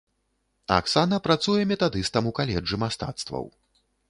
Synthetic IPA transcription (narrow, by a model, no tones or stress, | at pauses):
a̰ksanɐpɾat̪sujɛmʲɛt̪ad̪ɨst̪ɐmukalʲɛd͡ʐːɨmast̪a̰t̪st̪vɐ̰w